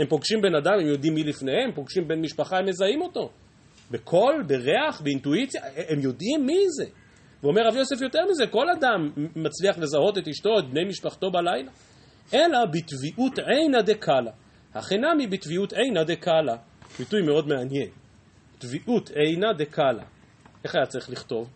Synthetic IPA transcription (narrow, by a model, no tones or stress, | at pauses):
hempo̞ɡʃimbe̞nadamemjo̞d̪imːilifne̞hemempo̞ɡʃimbe̞nmiʃpaχaemezaimo̞t̪o̞ | bekʰo̞lbeʁeaχbeintuit͡sjaemjo̞dimːize | veo̞meʁavjo̞se̞fjo̞t̪eʁmize̞ko̞lad̪amːat͡sliaχle̞zaɦo̞t̪e̞t̪iʃto̞et̪̚bne̞jmiʃpaχt̪o̞balajla | ʔe̞labitviʔutʕejnad̪ekʰala | ha̰χenamibit̪viutejnad̪ekala | bitujme̞o̞d̪meanje̞n | tviʔutʰejnad̪e̞kʰala̰ | ʔe̞χajat͡saʁiχliχto̞v